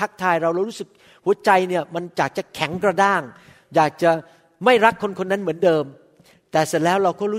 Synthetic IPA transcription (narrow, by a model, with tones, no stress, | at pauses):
a˦˥k̚t̪ʰaː˧jɾa˧wɾa˧ɾuː˦˥sɯ˨˩k̚ | hu˩˦ət͡ɕa˧jni˥˩ɐma˧nt͡ɕaː˨˩k̚t͡ɕa˨˩kʰɛ˩˦ŋkɾa˧daː˥˩ŋ | jaː˨˩k̚t͡ɕa˨˩ | ma˥˩jɾa˦˥kʰːo˧nkʰo˧nːa˦˥nmɯ˩˦əndɤː˧m | t̪ɛː˨˩se˨˩lɛː˦˥wɾa˧wkɔː˥˩ɾuː˦˥